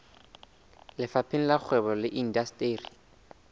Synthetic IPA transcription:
lɪfapʰɪn̩lak͡xʰwɛbɔlɪʔin̩dastʼeːri

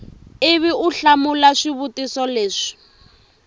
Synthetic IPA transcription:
ɪβiuɬamulaʂiβutisɔleːʂi̥

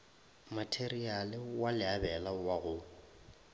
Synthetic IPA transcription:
matʰerialɪwalɪabɛlawaɣʊ

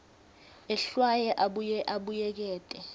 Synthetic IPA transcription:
ɛɬwajɛʔaɓɛʔaɓujɛk̬ɛːtʼɛ

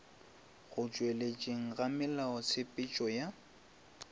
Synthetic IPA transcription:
ɣʊt͡ʃʼwelet͡ʃʼeŋ̩ɣamɪlaɔsʰɪpʼɪt͡ʃʼɔja

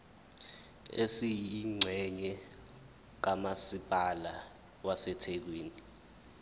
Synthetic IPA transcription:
esijiŋ͡ǀʱɛɲɛ | k̬amasipʼala | wasɛtʰek̬weːni

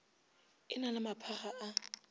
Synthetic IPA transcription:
ɪ̰nalɪmapʰaχaʔa

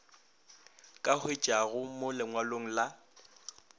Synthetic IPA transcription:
kʼahwɪt͡ʃʼaɣʊmʊlɪŋwaloŋ̩la

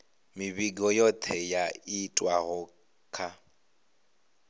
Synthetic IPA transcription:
mɪbiɡɔjɔt̪ʰɛjaitʼwaɣʊ | kʰʼa

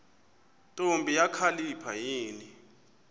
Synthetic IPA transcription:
tʼombʱijakʰalipʰajiːni

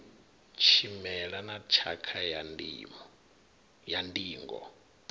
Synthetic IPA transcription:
t͡ʃʰimɛɺanat͡ʃʰakʰanː | jandiːŋɡɔ̰

